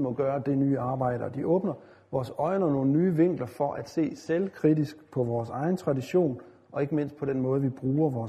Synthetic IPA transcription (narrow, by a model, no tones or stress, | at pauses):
mɒ̽ɡ̥ɶːɐd̥e̝nyːɑ̈ːb̥ɑ̈ɪ̰ɾ̥ɐɒd̥iʔɔ̽ːb̥nɐ | ʋɒːsɒ̽ɪnɒno̝ːn̩nyːʋe̝ŋ̰ɡ̥lɐfɒ̽ʔæd̥se̝̰ːselkʰʁidisɡ̥pʰɒ̽ʋɒːsɑ̈ɪn̩t͡sʰʁɑ̈diɕo̝̰ːn | ʔɒ̽e̝ɡ̥əme̝n̰sd̥̚pʰɒ̽d̥enmɔ̽ːð̞̩ˠʋib̥ʁuːɐʋɒː